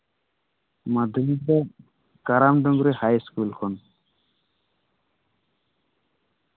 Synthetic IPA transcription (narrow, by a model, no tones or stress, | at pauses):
mad̪ʱumid̪a | kaɾamd̪ɔŋɡuɾehajskulkʰɔn